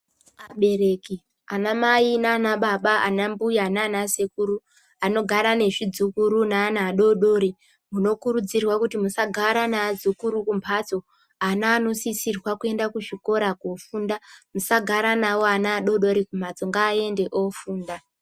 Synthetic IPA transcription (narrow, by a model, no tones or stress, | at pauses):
aɓe̞ɾe̞ki | anamainaːnaɓaɓaʔanambujananasekuɾu | ano̞ɡʱaɾane̞ʐid͡zukuɾunaːnaːɗo̞ɗo̞ɾi | muno̞kuɾud͡zirwakutimusaɡʱaɾanaːd͡zukuɾukumpʰat͡so̞ | anaːno̞sisirwakue̞ndakuʐiko̞ɾakofuːndamusaɡʱaɾanawoanaːɗo̞ɗo̞ɾikum̤ad͡zo̞ŋɡaːe̞nde̞ʔofuːnda